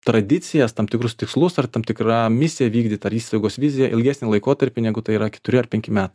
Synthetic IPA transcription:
t̪ɾɐd̪ʲɪt̪sʲɪjɛst̪ɐmt̪ʲɪkɾʊst̪ʲɪkslˠʊsɐrt̪ɐmt̪ʲɪkɾɑmʲɪsʲɪjɛʋʲiːɡd̪ʲiːt̪ɐɐɾiːst̪ɐɪɡoːsʋʲɪzʲɪjɛʔɪ̰lʲɡʲæːsʲnʲɪlˠɐɪkoːt̪ɐɾʲpʲɪnʲɛɡʊt̪ɐɪiːɾɐkʲɛ̥t̪ʊɾʲɪɐrpʲɛŋʲkʲɪmʲæːt̪ɐ

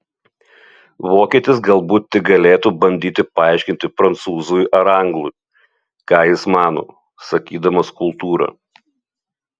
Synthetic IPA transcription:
ʋoːkʲiːt̪ʲɪsɡɐlˠˑbuːt̪t̪ʲɪk̚ɡɐlʲeːt̪uːbɐnʲd̪ʲiːt̪ʲɪpɐɑˑɪʃʲkʲɪnt̪ʲɪpɾɐnt̪suːzujʔɐɾɐŋɡlˠʊɪ | kɑːjɪsmɑːno̰ː | sɐkʲiːd̪ɐmɐskʊlˠt̪uːɾɐ̰

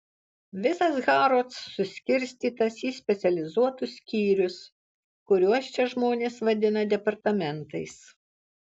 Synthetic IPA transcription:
ʋʲɪsɐsɣɑːɾoːsːʊsʲkʲɪɾʲsʲt̪ʲiːt̪ɐsiːsʲpʲɛt̪sʲɛlʲɪzuɔt̪ʊsʲkʲiːɾʲʊs | kʊɾʲuɔst͡ʃʲɛʒmoːnʲeːsʋɐd̪ʲɪnɐd̪ʲɛpɐɾt̪ɐmʲɛnt̪ɐɪs

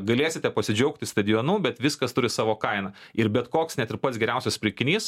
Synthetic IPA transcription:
ɡɐlʲeːsʲɪt̪ʲɛpɐsʲɪd͡ʒʲɛʊk̚t̪ʲɪst̪ɐd̪ʲɪjoːnuːbʲɛt̪ʋʲɪskɐst̪ʊɾʲɪsɑːʋoːkɐɪnɐɪɾbʲɛt̪koːksnʲæt̪ɪɾpɐt̪sɡʲɛɾʲɛˑʊsʲɛspʲɾʲɪkʲɪnʲiːs

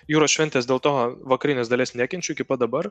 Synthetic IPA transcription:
juːɾoːsʃʲʋʲɛnʲt̪ʲeːsd̪ʲeːlˠt̪oːʋɐkɐɾʲɪnʲeːsd̪ɐlʲeːsnʲæːkʲɛnʲt͡ʃʲʊɪkʲɪpɐd̪ɐbɐɾ

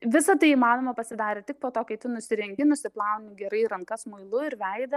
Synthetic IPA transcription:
ʋʲɪsɐt̪ɐɪimɑːnoːmɐpɐsʲɪd̪ɑːɾʲɛːtʲɪk̚poːt̪oːkʲɛɪt̪ʲɪnʊsʲɪɾʲɛŋʲɡʲɪnʊsʲɪplˠɐʊnʲɪɡʲɛɾɐɪɾɐŋkɐsmʊɪlˠʊɪɾʋʲɛɪd̪ɐ

